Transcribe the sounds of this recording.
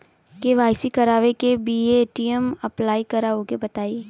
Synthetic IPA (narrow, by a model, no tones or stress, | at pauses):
keʋaːjsikɐɾaːʋekebiːeʈiemɐplaːikɐɾaːokebɐt̪aːiː